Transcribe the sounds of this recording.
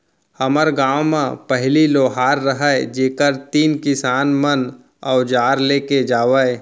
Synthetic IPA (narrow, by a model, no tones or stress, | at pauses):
həməɾɡaːwmãpəɦɪliloːɦaːɾːəɦəed͡ʒeːkəɾt̪iːnkɪsaːnmən | ɔːd͡ʒaːɾleːked͡ʒaːʋəe